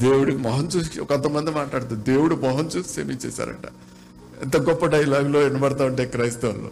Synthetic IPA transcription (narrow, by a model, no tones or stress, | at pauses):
d̪eːwuɽikimɐɦɐnt͡ʃuskɔkɐnt̪ɐmɐnd̪imaːʈlaːɽt̪ud̪e̞ːwuɽumɔɦɐnt͡ʃuːsʃḛmiːt͡ʃḛːsa̰ːɾɐ̰ɳʈɐ̰ | int̪ɐɡɔpːɐɖɐjilaːɡlo̞ːenːɐbɐɽt̪̬aːwuɳʈeːkɾɐjst̪eʋɐlːo̰ː